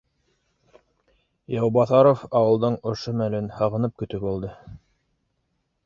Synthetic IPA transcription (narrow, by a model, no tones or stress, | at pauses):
jɑwbɑθɑɾofɑwɤ̆lˠd̪ɤɴŏʃomælɘnhɑʁɤ̆nɤp̚kɵ̆t̪ɵbulˠd̪ɤ